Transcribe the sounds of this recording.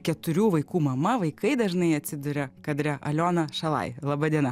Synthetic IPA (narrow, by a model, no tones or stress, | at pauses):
kʲɛt̪ʊɾʲuːʋɐɪkuːmɐmɐʋɐɪkɐɪd̪ɐʒnɐɪɐt̪ʲsʲɪd̪ʊɾʲɛkɐd̪ɾʲɛʔɐ̰lʲoːnɐʃɐlˠɐ̰ɪlˠɐbɐd̪ʲiɛnɐ